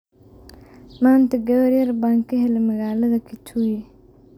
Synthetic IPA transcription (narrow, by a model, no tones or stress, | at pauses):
maːnt̪ɐɡɐwɐɾjɐɾbaːŋkʰɐɦɛlɐmɐɣaːlɐðɐkʰɪt͡ʃʰuji